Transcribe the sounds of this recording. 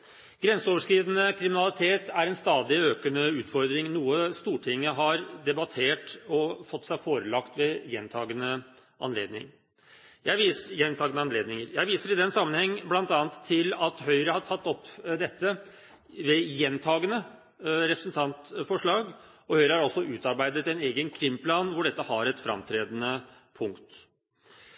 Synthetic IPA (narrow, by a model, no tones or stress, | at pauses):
ɡ̥ɾɛnsəoːʋəʂkɾiːdənəkʰɾɪmɪnɑlɪt̪ʰeːt̪ʰæɾɛnst̪ɑːd̪ɪøːkənəʉːt̪fɔɾd̪ɾɪŋnuːəst̪uːʈʰɪŋːəɦɑɾd̪ɛbɑt̪ʰeːʈɔfɔt̪ːsæɪfoːɾəlɑkt̪ʋɛjɛnt̪ʰɑːɡənə | ʔɑ̰nlḛːd̪nɪ̰ŋ | jæɪʋiːsjɛnt̪ʰɑːɡənəɑnleːd̪nɪŋəɾjæɪʋiːsəɾɪd̪ɛnsɑmːənhɛŋːblɑnt̪ɑːnt̪ʰːɪlɑt̪ɦœʏɾəhɑʈʰɑt̪ːɔpːd̪ɛt̪ːə | ʋɛjɛnːt̪ʰɑːɡənə | ɾɛpɾəsənt̪ʰɑnt̪fɔʂɭɑːɡ | ɔhœʏɾəhɑɾɔsːɔʉːt̪ɑɾbæɪd̪ət̪ɛneːɡənkʰɾɪmːpʰlɑnʋʊɖɛt̪ːəhɑɾɛt̪fɾɑ̰mt̪ʰɾeːd̪ənə | pʰʊŋkt̪